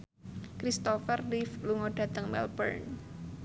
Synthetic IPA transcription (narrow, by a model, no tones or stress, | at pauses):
kɾist̪ɔfərlifluŋoɖ̥ä̤t̪əŋmɛ̰lbə̰rn